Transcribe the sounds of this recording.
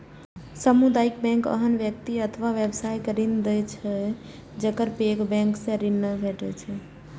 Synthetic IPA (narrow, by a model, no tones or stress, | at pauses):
səmud̪aikbɛ̃ŋkə̰ɦənʋjək̚t̪iət̪ʰʋaʋebsajkəɾind̪ɛt͡ʃʰɛ | d͡ʒəkəɾpekbɛ̃ŋksẽɾinːəbʱeʈɛt͡ʃʰɛ